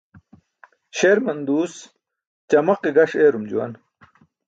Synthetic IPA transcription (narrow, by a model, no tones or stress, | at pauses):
ɕeːɾmɐnd̪uːs | t͡ɕɐmɐqiɡɐʂeːɾumd͡ʑuwɐ̰n